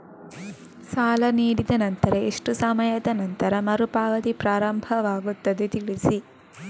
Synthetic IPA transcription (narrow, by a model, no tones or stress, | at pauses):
saːlɐniːɽid̪ɐnɐnt̪ɐɾeeʂʈusɐmɐjɐd̪ɐnɐnt̪ɐɾɐmɐɾupaːʋɐt̪ipɾaːɾɐmbʱɐʋaːɡut̪ːɐd̪et̪iɭisi